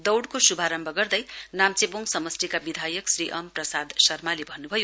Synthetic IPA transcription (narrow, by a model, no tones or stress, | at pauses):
d̪ʌwɽkosubʱaɾʌmbʱʌɡʌrd̪ʌjnamt͡seboŋsʌmʌstikabid̪ʱajʌksriʔʌmprʌsad̪sʌrmalebʱʌnːubʱʌjo